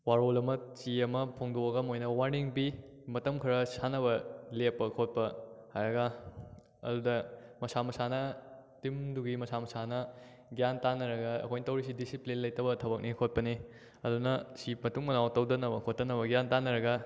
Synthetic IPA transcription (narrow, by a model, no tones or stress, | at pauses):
waɾolɐmɐt͡ʃiɐmɐpʰoŋdoɐɡɐmojnɐwaniŋbi | mɐtɐmkʰɐɾɐsanɐβɐlepːɐkʰot̚pɐhajɐɡɐ | ɐ̰dudɐmɐsamɐsanɐtimduɡimɐsamɐsanɐ | ɡijantanːɐɾɐɡɐɐ̰kʰojntɐwɾis̬idisiplinlɐjtɐbɐtʰɐbɐk̚nikʰot̚pɐni | ɐdunɐsimɐtuŋmɐnawtɐwdɐnɐbɐkʰotːɐnɐbɐɡijantanɐɾɐɡɐ